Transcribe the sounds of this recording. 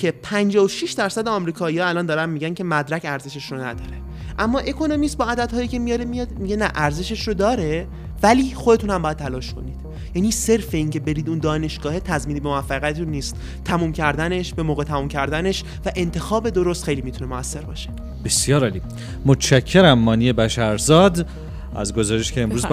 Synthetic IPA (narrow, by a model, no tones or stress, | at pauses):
cʰe̞pʰænd͡ʒɒːvoʃiʃd̪æɾsæd̪eɒmɾiːkʰɒːihɒːælɒːnd̪ɒːɾænmiːɟæncʰe̞mæd̪ɾæcæɾze̞ʃe̞ʃɾonæ̰d̪ɒːɾe̞ | ʔæmːɒːʔe̞kʰo̞no̞mist̪̚bɒːæd̪æd̪hɒːjiːcʰe̞mijɒɾemijɒd̪miɟenæʔæɾze̞ʃeʃrod̪ɒːɾe̞ | væliːxod̪e̞t̪ʰunhæmbɒːjæd̪̚t̪ʰælɒːʃkʰo̞̰niːd̥̪ | jæːniːse̞ɾfe̞iŋce̞be̞ɾiːd̪und̪ɒːne̞ʃɡ̥ɒːhet̪ʰæzmiːnibemoæfːæɣijæt̪et̪unːiːst̪ʰːæmuːmcʰæɾd̪æne̞ʃbe̞moːɣe̞t̪ʰæmuːmcʰæɾd̪æne̞ʃ | væʔe̞nt̪ʰe̞xɒːbe̞d̪o̞ɾost̪xejliːmit̪ʰunemoæsːe̞ɾbɒ̰ːʃe̥ | b̥e̞sjɒːɾɒːliː | mot̪t͡ʃæcʰːeɾæmːɒːnijebæʃæɾzɒːd̪ | ʔæ̰zɡo̞zɒːɾeʃcʰeːmɾuːz